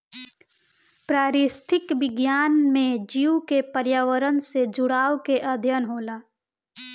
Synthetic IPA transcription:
pɾaːɾɪst̪ʰɪkʋɪɡjaːnmẽd͡ʒiukepəɾjaːʋəɾənsed͡ʒʊɽaːwkeʔəd̪ʱjənɦoːlaː

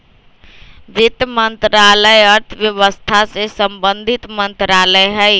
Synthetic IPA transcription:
ʋit̪mənt̪ɾaləjəɾt̪ʰəʋjəʋəst̪ʰasesəmbənd̪ʱit̪mənt̪ɾaləjɦəj

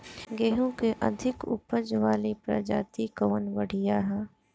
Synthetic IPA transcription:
ɡɛːɦõkeʔɐ̰d̪ʱɪkʊ̰pəd͡ʒʋaːlipɾa̰d͡ʒa̰ːt̪ikoːnʋəɽ̤ijaɦɛː

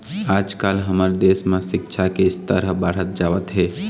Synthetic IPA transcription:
aːd͡ʒkaːlɦəməɾd̪eːsmẽsɪkt͡ʃʰakest̪əɾəɦbəɽ̤ɦət̪̚d͡ʒaːʋət̪ɦɛː

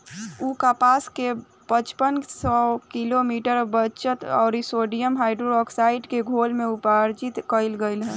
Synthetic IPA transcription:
ukapaːske | pət͡ʃpənsɔːkɪlomiːʈəɾbət͡ʃət̪ɔ̰ːɾɪsoːɖijəmɦaːɪɖɾoɾɔːksaːɪɖkeɡʱoːlmẽʊpaːɾd͡ʒɪt̪kəɪlɡəɪlɦɛ̃ː

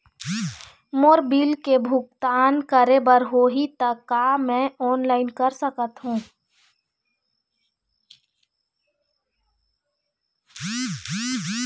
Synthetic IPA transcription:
moːɾbiːlkebʱʊk̚t̪aːnkəɾebəɾɦoːɦit̪əkːamɛ̃ɔːnlaːɪnkəɾsəkət̪ɦũː

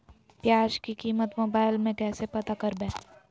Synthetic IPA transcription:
pjaːd͡ʒkikiːmət̪moːbaːɪlmẽkɛːsepɐt̪akɐɾbɛ̃ː

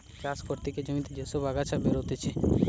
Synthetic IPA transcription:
t͡ʃaskoɾt̪iked͡ʒəmit̪ed͡ʒesobʱaɡat͡ʃʰabeɾɦot̪et͡ʃʰe

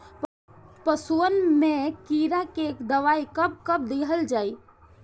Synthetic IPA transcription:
pəsuənmekiɾakekd̪əʋaikəb̚kəb̚d̪iɦəld͡ʒaːi

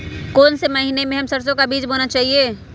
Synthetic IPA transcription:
kɔːnsemɐɦinemẽɦɐmsɐɾsõkabiːd͡ʒboːnat͡ʃaːɦieː

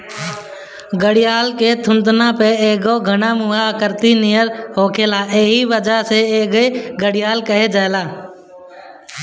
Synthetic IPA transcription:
ɡəɽɪjaːlket̪ʰʊ̃nd̪naːpeeːɡoːɡʱənaːmuɦaəkəɾt̪iniːjəɾɦoːkʰeːlaːʔeːɦiʋəd͡ʒaːɦseeːɡeɡəɽɪjaːlkəɦed͡ʒaːelaː

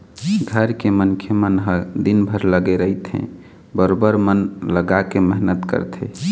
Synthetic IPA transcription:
ɡʱəɾkemənkʰemənɦəd̪inbʱəɾləɡeɾəit̪ʰɦḛ̃ | bəɾobəɾmənləɡakeməɦnət̪kə̰ɾt̪ʰɛ

